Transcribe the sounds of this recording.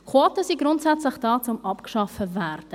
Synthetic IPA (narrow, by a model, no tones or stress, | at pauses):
kʰwɔtəsiɡɾʊntsɛt͡slɪχd̥ɑːt͡sʊmɑpkʃɑfəvæːrd̥ə